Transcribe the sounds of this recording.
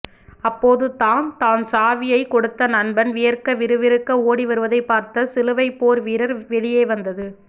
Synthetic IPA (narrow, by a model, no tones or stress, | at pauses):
ɐpːoːðɯt̪aːnt̪aːnsaːʋɪjɐɪkɔɽɯt̪ːɐnɐnbɐnʋɪjɐrkɐʋɪɾɯʋɪɾɯkːɐoːɽiʋɐɾɯʋɐðɐɪpːaːɾt̪ɐsɪlɯʋɐɪpːoːɾʋiːɾɐɾʋɛɭɪjeːʋɐnd̪ɐðɯ